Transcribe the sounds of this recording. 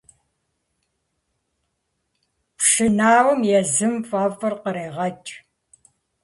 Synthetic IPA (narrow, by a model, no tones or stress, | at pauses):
pʂɨnaːwɐmjɛzɨmfʼaːfɨrqəɾeːʁɐt͡ʃʼ